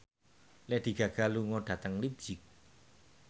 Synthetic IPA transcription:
lɛd̪̥i̤ɡ̥ä̤ɡ̥a̤luŋɔɖ̥ä̤t̪əŋlip̚d͡ʒ̥ik̚

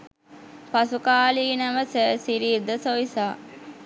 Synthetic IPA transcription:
pasukaːliːnəʋəsəsiɾiːɾd̪əsoʋisaː

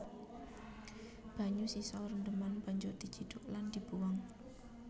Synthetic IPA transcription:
b̥a̤ɲusisaɾund̪əmanb̥aɲd͡ʒɔd̪̥i̤̥d͡ʒ̥i̤d̪̥ʊʔland̪̥i̤b̥uwaŋ

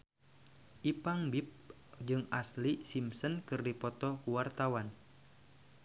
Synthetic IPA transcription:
ʔipaŋbip̚ | d͡ʒɨŋaslisimsənkɨrdipɔt̪ɔkuwart̪awan

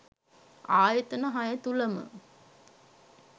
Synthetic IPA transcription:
aːjət̪ənəɦajət̪uləmə̰

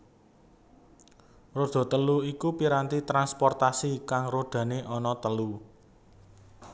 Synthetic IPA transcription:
rod̪̥ɔ̤t̪əluikupiɾant̪it̪ɾanspɔrt̪asikaŋroɖ̪̥ä̤neʔɔnɔt̪əlu

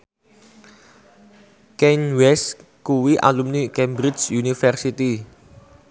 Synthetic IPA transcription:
kɛnwɛskuwiʔa̰lumnikɛmbɾɪd͡ʒjunifɛrsit̪i

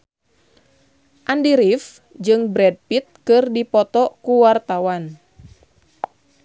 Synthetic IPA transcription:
ʔandiɾif | d͡ʒɨŋbɾɛd̚pit̪̚kɨrdipɔt̪ɔkuwart̪awan

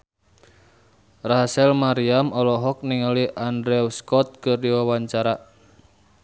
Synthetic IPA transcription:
rasɛlmaɾiamɔlɔɦɔk̚niŋaliʔandɾɛuskɔt̪̚kɨrdiwawaɲt͡ʃaɾa

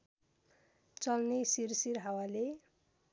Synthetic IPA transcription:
t͡sʌlnesirsiɾɦawale

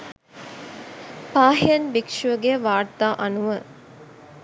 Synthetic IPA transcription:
paːɦijənbikʂuʋəɡeʋaːrt̪aːʔanuʋə

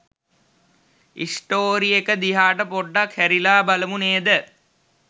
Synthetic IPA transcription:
ḭsʈoːɾiekəd̪iɦaːʈəpoɖːakʰhæɾilaːbaləmuneːd̪ə

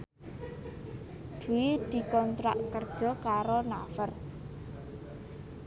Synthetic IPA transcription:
d̪̥uwid̪̥i̤kɔnt̪ɾa̰ʔkərd̥ʒ̥ɔ̤kaɾona̰fər

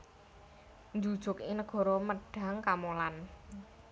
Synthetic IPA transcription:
nd͡ʒud̥ʒ̥ʊ̤kinəɡ̥ɔ̤ɾɔməɖ̥a̤ŋkamolan

